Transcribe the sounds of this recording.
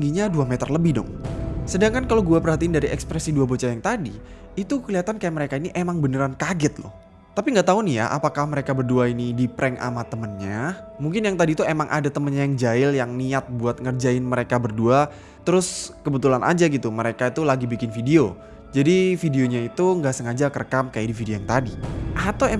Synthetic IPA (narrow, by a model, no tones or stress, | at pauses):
ŋɡiɲaduamɛt̪ərləbɪhdɔ̰ŋsədaŋkankalowɡuapərɦat̪iɪndaɾiɛkspɾɛsiduabot͡ʃajaŋt̪adiː | t̪ukəliat̪ankajaməɾekainiʔemaŋbənəɾankaɡɪt̪̚lʊ̰h | t̪apiŋɡaʔt̪aunija̰ʔa̰pakahməɾekabərduainidipɾʔɛŋʔa̰mat̪əmənɲamuŋkɪnjaŋt̪adit̪uemaŋʔa̰dat̪əmənɲajaŋd͡ʒaɪljaŋniat̪̚buat̪̚ŋərd͡ʒaɪnməɾekabərdua | t̪əɾʊskəbət̪ulanʔa̰d͡ʒaɡit̪uməɾekait̪ulaɡibikɪnfideo | d͡ʒadifideoɲait̪uŋɡaʔsəŋad͡ʒakərkamkajadifideojaŋt̪adiʔat̪awe